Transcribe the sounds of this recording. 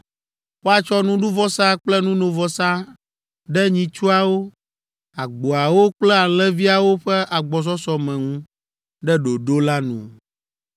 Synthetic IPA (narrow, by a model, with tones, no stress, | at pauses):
wo˦a˨t͡ʃɔ˦nũ˦ɖu˦vɔ˦sa˦k͡plɛ˦nũ˦nõ˨vɔ˦sa˦ | ɖɛ˦ɲĩ˨t͡ʃu˦a˨wo˦ | a˨ɡ͡bo˨a˨wo˦k͡plɛ˦a˨lɛ̃˦vi˦a˨wo˦ɸɛ˦ʔa˨ɡ͡bɔ˨s̬ɔ˦sɔ˦mɛ̃˨ŋũ˦ | ɖɛ˦ɖo˨ɖo˦la˦nṵ̃˨